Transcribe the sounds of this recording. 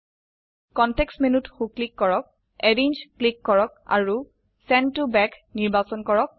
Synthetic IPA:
kɔntɛksmenutxuklikːɔɹɔk̚ | ɛɹeɲd͡ʒklikːɔɹɔka̰ɹu | sɛntubɛkniɹbasɔnkɔɹɔk̚

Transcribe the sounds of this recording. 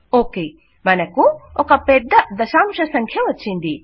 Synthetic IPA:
oke | mɐnɐkːuokɐpet̚dɐd̪ɐsamsɐsɐŋkʰijɐwɐtt͡ʃindi

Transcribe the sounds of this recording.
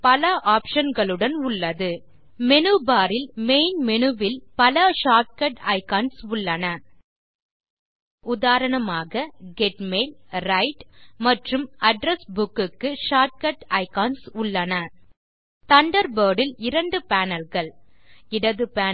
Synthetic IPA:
pɐlɐʔaːpʂɐnɡɐɭɯɽɐnʊɭːɐðɯ | mɛnɯbaːɾɪlmeɪnmɛnɯʋɪlpɐlɐʂaːʈ̚kɐʈɐɪkaːnsʊɭːɐnɐ | ʊðaːɾɐɳɐmaːɣɐɡɛʈmeːlɾɐɪʈmɐʈrɯmɐɖɾɐsbʊkːɯkːɯʂaːʈ̚kɐʈɐɪkaːnsʊɭːɐnɐ | t̪ɐɳɖɐɾbɐːɽɪlɪɾɐɳɖɯpaːnɐlɣɐɭɪɽɐðɯpaː

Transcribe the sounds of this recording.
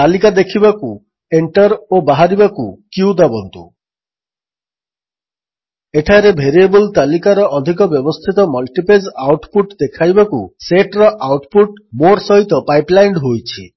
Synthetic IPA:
t̪alikad̪ekʰibaku | eɳʈɔɾobaɦaɾibakukiuwd̪abɔnt̪u | eʈʰaɾebʱeɾiebult̪alikaɾɔʔɔd̪ʱik̬ɔbjɔbɔst̪ʰit̪ɔmɔlʈiped͡ʒawʈpuʈd̪ekʰajbakuseʈɾɔʔawʈpuʈmoɾsɔɦit̪ɔpajplajɳɖɦojt͡ʃʰi

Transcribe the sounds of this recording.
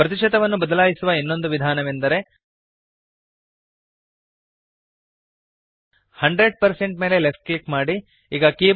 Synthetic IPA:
pɾɐt̪̬iʂɐt̪ɐʋɐnːubɐd̪ɐlaːjisuʋɐinːo̞nd̪uʋid̪ʱaːnɐʋend̪ɐɾe̞ | hɐɳɖɾe̞ɖ̚pɐɾse̞ɳʈ̚me̞ːle̞le̞fʈ̚klikmaːɽi | iːɡɐkiː

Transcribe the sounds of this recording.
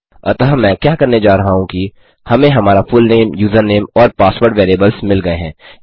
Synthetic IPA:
ɐ̰t̪əɦmɛ̃ːkjaːkɐɾned͡ʒaːɾɐɦaɦũki | hɐmẽɦɐmaːɾafʊlneːmjuːzəɾneːmɔːɾpaːsʋoːɾʈʋeːɾieːbəlzmɪlɡɐeɦɛ̃ː

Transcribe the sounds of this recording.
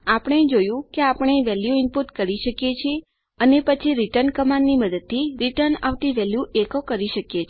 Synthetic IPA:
apəɳ̃ed͡ʒojũkeapəɳ̃eʋɛljuɪmpuʈkəɾiʃəkjet͡ʃʰie | ənepət͡ʃʰiɾiʈəɾnkəmanːiməd̪əd̪̚t̪ʰiɾiʈəɾna̰ʋʈiʋɛljuʔekokəɾiʃəkjet͡ʃʰe

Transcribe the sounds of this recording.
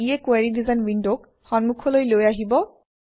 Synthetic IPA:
ijɛkwaɹidizanwindok | xɔnmukʰɔlojlojaɦibɔ

